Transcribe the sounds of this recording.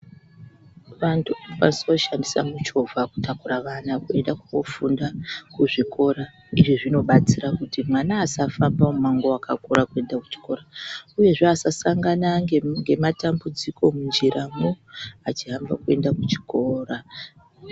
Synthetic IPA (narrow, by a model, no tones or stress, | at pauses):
ʋantʰuka̰nisoʃandisamut͡ʃo̞vʱaku̥tʰakuraʋanakue̞ndakuofundakuʐiko̞ɾa | iʐiʐino̞ɓat͡sirakutimwanaːsafambaumaŋɡo̞akʰa̰kuɾakue̞ndaku̥t͡ʃi̥ko̞ɾauje̞ʐeasasaŋɡanaŋɡe̞matambud͡zikʰo̞mund͡ʒiɾamoat͡ʃiɦambakue̞ndakut͡ʃi̥ko̞ːra